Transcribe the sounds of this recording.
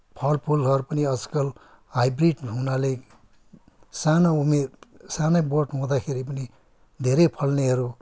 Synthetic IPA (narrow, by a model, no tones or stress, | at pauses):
pʰʌlpʰulɦʌɾupʌniʌd͡zkʌl | ɦajbriɖɦunale | sanaumersanʌjboʈɦõd̪akʰeɾipʌni | d̪ʱeɾʌjpʰʌlneɦʌɾu